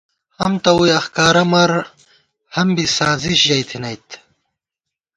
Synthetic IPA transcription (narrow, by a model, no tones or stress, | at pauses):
hɐmt̪ɐujɐxkaːɾɐmɐɾ | hɐmbisaːziɕʑɐjt̪ʰinɐjt̪ʰ